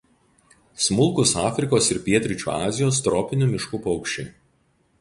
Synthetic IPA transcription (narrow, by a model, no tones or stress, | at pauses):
smʊlˠkʊsɑːfʲɾʲɪkoːsɪɾpʲiɛt̪ʲɾʲɪt͡ʃʲṵːɑ̰ːzʲɪjoːst̪ɾɔːpʲɪnʲuːˑmʲɪʃkuːpɔʊkʃʲt͡ʃʲeː